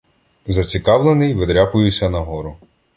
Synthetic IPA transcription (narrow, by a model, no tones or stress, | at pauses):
zɐt͡sʲikɑwlˠenɪjʋɪd̪ɾʲapʊjʊsʲɐnɐɦɔɾʊ